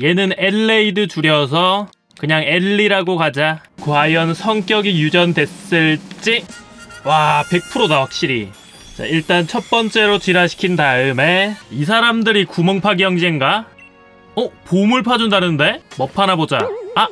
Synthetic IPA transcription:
je̞nɯne̞ɭːeidɯt͡ɕuɾjʌs̬ʰʌ | kɯɲaŋeɭːiɾaɡokad͡ʑa | kwajʌnsʰʌŋk͈jʌɡijud͡ʑʌnde̞ss͈ɯɭt͡ɕ͈i | wape̞k̚pʰɯɾodawak̚ɕ͈iɾḭ | t͡ɕa̰iɭt͈ant͡ɕʰʌt̚p͈ʌnt͡ɕ͈e̞ɾot͡ɕiɾaɕʰi̥kʰindaɯme̞is̬ʰaɾamdɯɾikumʌŋpʰaɡjʌŋd͡ʑiŋɡa | opomɯɭpʰad͡ʑundanɯnde̞mʌpʰanabod͡ʑaː

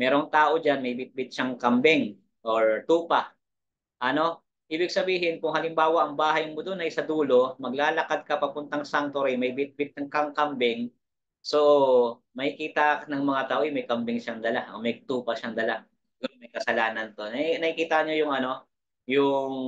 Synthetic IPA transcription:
mɛːɾoŋt̪aːʔo̞d͡ʒanmɐjbɪt̪̚bɪt̪̚ʃaŋkɐmbɛŋ | ʔoɹt̪uːpa | ʔɐno̞ | ʔiːbɪɡ̚sɐbiːɦɪnkʊŋhɐlɪmbaːwɐʔɐŋbaːhɐjmod̪onʔɐjsɐd̪uːlo̞mɐɡ̚laːlɐkad̪̚kɐpɐpʊnt̪aŋsaŋt̪oɾɪjmɐjbɪt̪̚bɪt̪̚ɐŋkɐŋkɐmbɛŋ | so̞ | mɐkɪkiːt̪ɐnɐŋmɐŋat̪aːʔojmɐjkɐmbɪŋʃaŋd̪ɐlaʔɐmɐjt̪uːpɐʃaŋd̪ɐla | ɡʊmɐjkɐsɐlaːnɐnt̪o̞nɐnɐkɪkiːt̪aɲojʊŋʔɐno̞ | jʊŋ

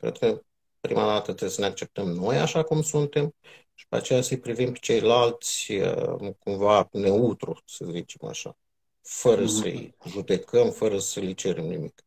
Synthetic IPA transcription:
kɾed̪̚kə | pɾḭmad̪at̪ət̪ɾeesəne̞ak̚t͡ʃe̞p̚t̪əmno̞ja̰ʃakumsunt̪e̞m | ʃi̥pea̰t͡ʃejasəjpɾivimpe̥t͡ʃe̞jlalt̪sʲə̰kumvane̞ut̪ɾusəzit͡ʃe̞̥ma̰ʃa̰ | fəɾəsə̰jʒud̪e̞kəmfəɾəsəlit͡ʃeɾemnḭmḭk

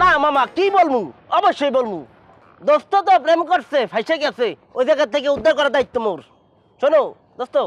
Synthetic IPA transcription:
namamakibolmuɔbɔʃjɔjbolmu | d̪ost̪ɔt̪ɔpɾemkɔɾsepʰajʃaɡɛsʰeojzaɡat̪ʰːekeud̪ːaɾkɔɾad̪ait̪ːɔmoɾ | ʃono | d̪ost̪o

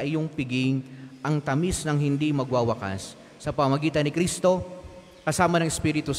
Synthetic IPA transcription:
ʔɪjoŋpɪɡɪŋʔɐŋt̪ɐmisnɐŋɦɪnd̪imɐɡwaːwɐka̰sː | ɐpɐmɐmɐɡiːt̪ɐnɪkɾist̪o̞ | kɐsaːmɐnɐŋɪspiːɾɪt̪u

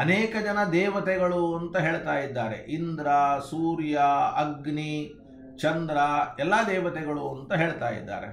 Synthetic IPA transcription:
ɐneːkɐd͡ʒɐnɐd̪ɛːʋɐt̪ɛɡɐɭuɐnt̪ɐɦe̞ːɭt̪aːjid̪ːaːɾḛʔind̪ɾɐsuːɾjɐɐɡni | t͡ʃɐnd̪ɾɐɛlːaːd̪ɛːʋɐt̪ɛɡɐɭuɐnt̪ɐɦeːɭt̪aːjḭd̪ːa̰ːɾe̞̰

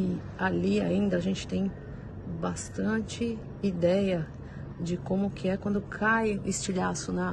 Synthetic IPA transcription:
ɪ | alia̰ĩnd̪ɐːʒẽnt͡ʃɪ̥t̪ẽj̃ | bast̪ɐ̃t͡ʃɪ | id̪ɛjɐ | d͡ʒɪkõmʊkʰɪɛkwɐ̃nd̪ʊkʰajũest͡ʃiʎasʊnɐ

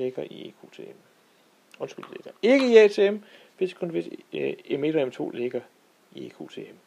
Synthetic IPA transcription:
eɡ̥ɐḭḛkʰot͡sʰḛem | ɔ̽nsɡ̥y̰l̰̥ileɡ̥ɐe̝ɡ̥əiɛt͡sʰe̝em | ʋ̥e̝skʰɔ̽nʋe̝deme̝d̥ɒ̽emt͡sʰo̝̰ːle̝ɡ̥ɐ | iḛkʰu̝̰t͡sʰe̝̰em

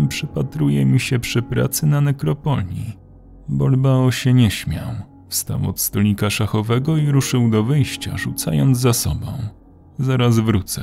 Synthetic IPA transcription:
pʂɘpat̪ɾujɛmʲiɕɛpʂɘpɾa̰t̪sɘnanɛkɾɔpɔlʲɲi | bɔlbaɔɕɛɲɛɕmʲja̰w | fst̪a̰wɔ̰t̪st̪ɔlʲɲikaʂaxɔvɛɡɔiɾuʂɘwd̪ɔvɘjɕt͡ɕa̰ʐut̪sajɔnd̪zzasɔ̰bɔ̰̃w̃ | zaɾazvɾut̪sɛ

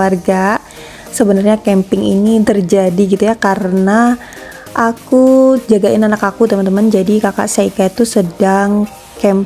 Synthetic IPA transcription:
arɡa | səbənərɲakɛmpɪŋḭnit̪ərd͡ʒadiɡit̪ujakaɾəna | ʔakud͡ʒaɡaɪnanakakut̪əmant̪əmand͡ʒadikaka̰ʔsaikaat̪ːusədaŋ | kɛm

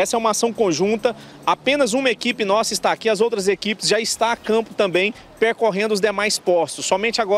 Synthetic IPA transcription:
ɛsɐɛũmɐasɐ̃w̃kõʒũnt̪ɐ | apẽnɐzũmɐekipɪnɔsɐist̪aːkiɐzowt̪ɾɐzekipɪ̥zʒaɪst̪aakɐ̃pʊ̥t̪ɐ̃mbẽj̃ | peɾkoɦẽnd̪ʊzd̪emajspɔst̪ʊsːɔmẽnt͡ʃɪaɡɔ

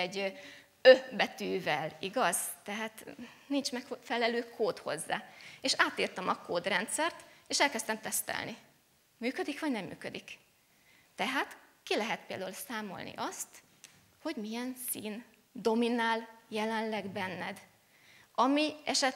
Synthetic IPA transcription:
ɛɟ | øbɛt̪yːvɛliɡɒz̥t̪ɛɦaːt̪nint͡ʃmɛkfɛlɛløːkʰoːt̪ho̞̰zːa̰ːeːʃaːt̪iːrt̪ɛmɒkoːd̪rɛnt̪sɛrt̪eːʃɛlkɛst̪ɛmt̪ɛst̪ɛ̰lni | myːkød̪ikʋɒɟnɛmːy̰ːkød̪ik | t̪ɛɦaːt̪kilɛɦɛt̪̚peːld̪aulusaːmo̞̰lnḭʔɒst̪ | ho̞ɟmijɛnsiːn | d̪o̞minaːljɛlɛnlɛɡbɛnːɛ̰d̪ | ɒmiɛʃɛt̪

